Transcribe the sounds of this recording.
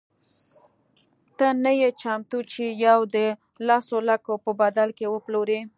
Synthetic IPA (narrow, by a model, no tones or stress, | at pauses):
t̪ənəjet͡ʃamt̪ut͡ʃijawd̪ə | lasolakopəbad̪alkewəploɾe